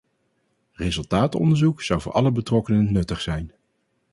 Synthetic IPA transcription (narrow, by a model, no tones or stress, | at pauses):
rezɵlˠtaːtɔ̰ndəɹzuksʌwvʊ̰ːɹʔɑləbətrɔkənənɵtəχsɛjn